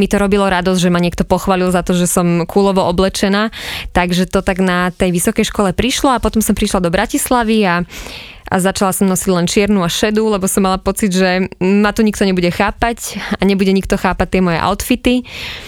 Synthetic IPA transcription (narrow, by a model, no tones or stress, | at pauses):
mit̪ɔɾɔbilɔɾad̪ɔzʒɛmaɲɪɛk̚t̪ɔpɔxʋaːlilzat̪ɔʒɛsɔmkʰuːlɔʋɔʔɔblɛt͡ʃɛnaːt̪aɡʒɛt̪ɔt̪aɡnat̪ɛjʋisɔkɛjʃkɔlɛpɾiʃlɔapɔt̪ɔmsɔmpɾiʃlad̪ɔbɾacislaʋia | ʔa̰zat͡ʃalasɔmnɔsiɟlɛnt͡ʃɪɛɾnuaʃɛd̪ulɛbɔsɔmːalapɔt͡sid̪ʒɛmat̪ɔɲik̚t̪ɔɲɛbuɟɛxaːpacaɲɛbuɟɛɲikt̪ɔxaːpac̚t̪ɪɛmɔjɛ̰ʔa̰ʊt̪fit̪i